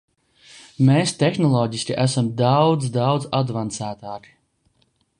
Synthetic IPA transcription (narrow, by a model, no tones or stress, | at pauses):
meːst̪exnɔlˠɔːɟisʲkʲiʔæsamd̪awd̪zd̪awd̪zad̪vant̪sæːt̪aːki̥